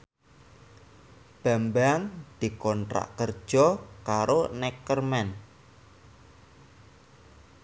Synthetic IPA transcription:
b̥a̤mbaŋd̪̥i̤kɔnʈɾa̰ʔkərd̥ʒ̥ɔkaɾonɛkərmɛn

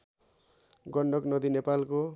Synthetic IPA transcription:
ɡʌɳɖʌknʌd̪inepalko

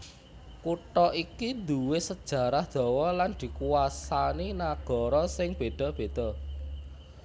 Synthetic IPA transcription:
kuʈɔikind̪uwɪsəd̥ʒ̥ä̤ɾahd̪̥ɔ̤wɔland̪̥i̤kuwasaninaɡ̥ɔ̤ɾɔsɪŋb̥e̤d̪̥ɔ̤b̥e̤d̪̥ɔ̤

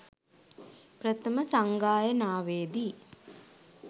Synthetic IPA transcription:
pɾət̪əməsaŋɡaːjənaːʋeːd̪i

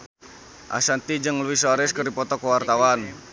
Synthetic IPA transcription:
ʔa̰sant̪id͡ʒɨŋluwisoɾɛskərdipɔt̪ɔkəwart̪awan

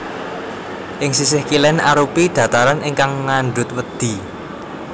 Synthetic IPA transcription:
ʔɪŋsis̬ɪhkilɛnaɾupiɖ̪̥ä̤t̪aɾaniŋkaŋːanɖʊt̪̚wəd̪̥i̤

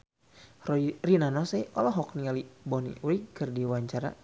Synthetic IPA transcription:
rɔrinanɔsɛʔɔlɔɦɔk̚nialibɔnḭwikɨrdiwaɲt͡ʃaɾa̰

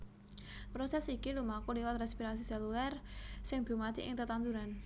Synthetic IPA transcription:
pɾosɛsikilumakuliwat̪rɛspiɾasisɛlulɛrsɪŋd̪̥ṳmat̪iʔɪ̰ŋt̪ət̪and̪uɾan

